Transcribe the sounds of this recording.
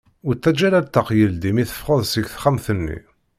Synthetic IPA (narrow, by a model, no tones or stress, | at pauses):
ʊɾt̪ːæd͡ʒæɾæɾt̪ːɑqjəld̪imiθə̥fʁəðˤsəɡθχæmθənːḭ